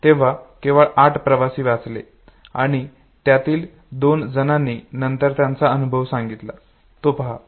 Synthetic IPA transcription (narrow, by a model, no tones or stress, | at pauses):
t̪eʋ̤akeʋəɭaʈʰpɾəʋasiːʋat͡slḛ | a̰ɽ̃i | t̪jat̪iːl | d̪ond͡zənanːiːnənt̪əɾt̪jãnt͡saənubʱəʋsãŋɡit̪la | t̪opəɦa